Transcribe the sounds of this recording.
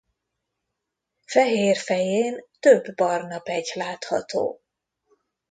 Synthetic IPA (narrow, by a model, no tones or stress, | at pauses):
fɛɦeːrfɛjeːnt̪øbːɒrnɒpɛɟlaːt̪hɒ̰t̪o̰ː